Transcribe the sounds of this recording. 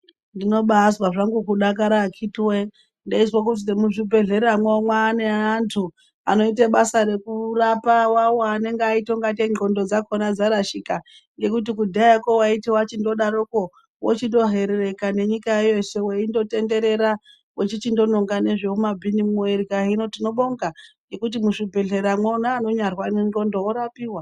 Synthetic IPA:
ndino̞ɓaːswaʐaŋɡukuɗak̬aɾaːkʰitwe | ndaiswak̬ut̬inemuʐibʱe̞ɮe̞ɾamweomwaːne̞antʰu | a̰no̞iteɓasaɾe̞kurapawawoane̞ŋɡaitoŋɡat̬eŋ͡ǃo̞ndo̞d͡zakonad͡zaɾaʃika | ŋɡe̞kutikudʱaako̞waitiwat͡ʃindo̞ɗaɾoko̞ | wot͡ʃindo̞ɦe̞ɾere̞kane̞ɲikaejo̞se̞weindo̞te̞nde̞ɾe̞ɾa | wet͡ʃit͡ʃindo̞no̞ŋɡane̞ʐeumabʱinimoerikaino̞tino̞ɓo̞ŋɡaŋɡe̞kut̬imuʂibʱeɮeɾamwonaːno̞ɲarwanenɡo̞ndooɾapiːwa

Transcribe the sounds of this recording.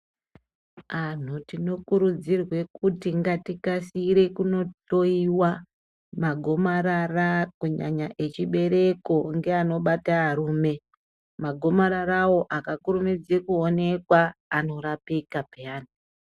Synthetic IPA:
an̤utino̞kuɾud͡zirwe̞kutiŋɡatikasiɾe̞kuno̞to̞iwa | maɡʱo̞maɾarakuɲa̰ɲaʔe̞t͡ʃiɓe̞ɾeko̞ŋɡe̞ano̞ɓataːɾuːme̞ | maɡʱo̞maɾaɾawo̞ʔakakuɾumid͡zekuone̞kwaːno̞ɾapikapeaːni

